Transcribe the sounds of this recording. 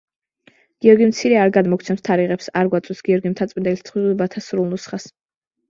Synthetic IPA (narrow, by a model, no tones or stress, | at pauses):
ɡ̥iɔɾɡimt̪sʰiɾɛaɾɡad̪mɔk̚ʰt̪sʰɛmst̪ʰaɾiʁɛpsaɾɡwat̪sʼwɛsɡ̥iɔɾɡimt̪ʰat̪sʼmind̪ɛlist̪ʰχwiɛbat̪ʰasɾulˠnusχas